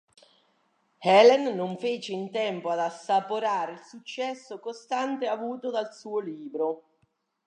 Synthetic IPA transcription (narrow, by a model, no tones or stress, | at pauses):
hɛlɛnːoɱfeːt͡ʃeint̪ɛmpoad̪asːapoɾaːɾeilsut͡ʃːɛsːokost̪ant̪eavuːt̪od̪alsuːoliːbɾo